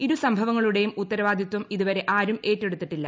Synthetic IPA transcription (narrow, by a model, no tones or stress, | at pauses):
iɾusɐmbʱɐʋɐŋːɐɭuɽe̞jumut̪ːɐɾɐʋaːd̪ʱjɐt̪wɐmiðuʋɐɾe̞ʔaːɾume̞ːtːe̞ɽut̪ːiʈːilːɐ